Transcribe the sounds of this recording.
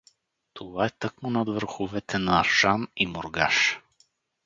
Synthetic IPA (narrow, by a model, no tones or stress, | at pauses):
t̪ʰovaɛt̪ɤkmʊnɐd̪vəɾxovɛt̪ʰɛnɐːɾʃanimoɾɡaʃ